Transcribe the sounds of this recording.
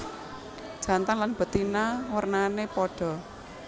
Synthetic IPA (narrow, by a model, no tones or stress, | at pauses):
d̥ʒ̥ä̤nt̪aŋlanb̥ə̤t̪inawərnanepɔɖ̥ɔ̤